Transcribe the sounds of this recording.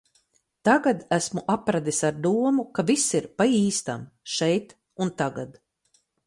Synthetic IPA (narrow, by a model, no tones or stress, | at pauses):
t̪aɡad̪æsmuʔapɾad̪isaɾd̪uɔmukavisiɾpaiːst̪a̰mʃɛjt̪ | unt̪aɡad̪̥